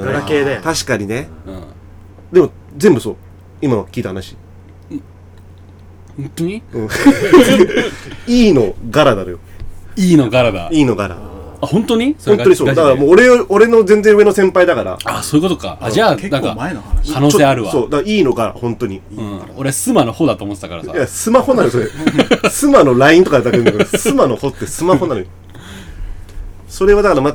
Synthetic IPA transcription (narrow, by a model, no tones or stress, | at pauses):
ɡaked̪et̪aɕi̥kaɲ̟ine̞ɯ̃ | d̪e̞mo̞ | d͡zẽ̞mbɯ̟so̞̰ː | imaβakʲiːt̪ahanaɕi̥ | hõnt̪oɲiɯ̟̃ | iːno̞ɡaɾad̪aɾojoiːnoɡaɾad̪a̰iːno̞ɡaɾa̰ | ahõnt̪oɲ̟ionoɲisodd̪akaɾamoːɾe̞oɾe̞no̞d͡zẽ̞nd͡zẽɯβe̞no̞sẽ̞mpaid̪akaɾa̰asoːjɯ̟kot̪oka̰aanãŋkankʰanoːt͡ɕoseːaɾɯβaso̞ːd̪akiːno̞ɡaɾa̰hõ̞nt̪o̞ɲ̟i | oɾesɨmanohod̪at̪oːmot̪et̪akaɾaajasɨmaho̞nanosoɾesɨmano̞ɾaĩnt̪o̞kaed̪akeɯnkeosɨmano̞ho̞t̪ːesɨmaho̞nanojo | so̞ɾe̞βad̪akaɾama